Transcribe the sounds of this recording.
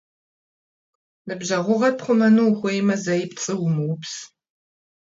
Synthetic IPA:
nɨbʑɐʁʷʊʁɐpχʷʊmɐnuːxʷejmɐzɐjɪpt͡sʼɨwʊmɨwʊps

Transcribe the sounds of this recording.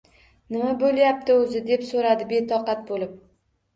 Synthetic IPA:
nɪmabolˠjap̚t̪ɪɵzɪd̪e̞psoɾad̪ɪbe̞t̪ʰɒqɑt̪̚bolɪp̚

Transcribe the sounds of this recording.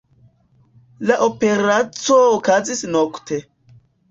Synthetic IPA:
laʔope̞ɾat͡soːkazisnoktʰe̞

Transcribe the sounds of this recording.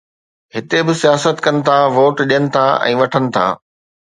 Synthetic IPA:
ɦɪt̪ebɪsijaːsət̪kɐnɪ̆t̪ʰaʋoːʈɗijənɪ̆t̪ʰaʔɛ̰̃ːʋɐʈʰənɪ̆t̪ʰa̰ː

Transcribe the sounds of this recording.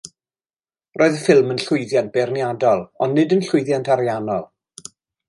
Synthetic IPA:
rʔoːɨðəfɪlˠmənɬʊɨðjant̚b̥ɛrnjadɔlˠɔnːɪdənɬʊɨðjantʰaɾjanɔlˠ

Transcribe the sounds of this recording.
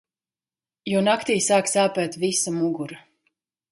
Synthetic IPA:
junakt̪iːsaːksaːpɛːt̪visamuɡuɾa

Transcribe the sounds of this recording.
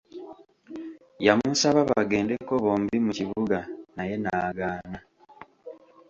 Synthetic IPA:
jamusaβaβaaɡe̞ːndekːoβo̞ːmbimuciβuɡanaje̞naːɡaːna

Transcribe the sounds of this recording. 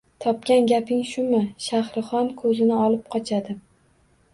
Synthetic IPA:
t̪ʰɒp̚kʲanɡʲapʰɪŋʃʊmɪʃahɾɨχɒnkʰɵzɪnɪɒlˠɪp̚qʰɒt͡ʃʰad̪ɪ

